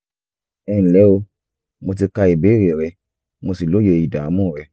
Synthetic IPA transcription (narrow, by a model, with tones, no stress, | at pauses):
ɛ˧˦ñ̩˨lɛ˨˦o˧ | mo˧t̬i˧ka˧i˨be˨˦˨ɾe˨ɾɛ˧ | mo˧si˨lo˨˦je˧˨i˨da˨˦mũ˦˨ɾɛ˧